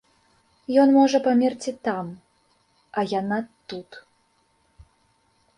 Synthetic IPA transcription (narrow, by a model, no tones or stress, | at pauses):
jɔnmɔʐɐpamʲɛrt͡sʲit̪am | ɐjanat̪ut̪